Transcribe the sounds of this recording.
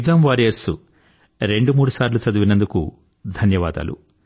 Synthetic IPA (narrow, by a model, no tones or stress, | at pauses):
d͡ʒɐːmʋaːɾijɐɾsu | ɾe̞ɳɖumuːɽusaːɾlut͡ʃɐd̪uʋinɐnd̪ukṵ | d̪ʱɐnjɐʋa̰ːd̪a̰ːlṵ